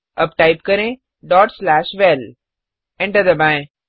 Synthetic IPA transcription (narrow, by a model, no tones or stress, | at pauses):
ɐbʈaɪp̚kɐɾẽ | ɖɔːʈslæːʃʋɛl | ɛ̃ɳʈəd̪əbãẽ